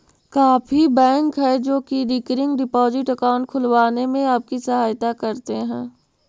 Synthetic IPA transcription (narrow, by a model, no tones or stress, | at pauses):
kaːfʰibɛ̃ːŋkɦɛd͡ʒoːkiɖiːkɾɪ̃ŋɡɖɪpɔːzɪʈɐkaʊ̃ɳʈ̚kʰʊlʋaːnemẽaːp̚kisɐɦaːjt̪akɐɾt̪eɦɛ̃ː